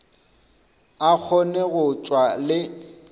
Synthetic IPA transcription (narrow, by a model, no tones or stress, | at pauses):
ak͡xʰɔneɣʊt͡ʃʼwalɪ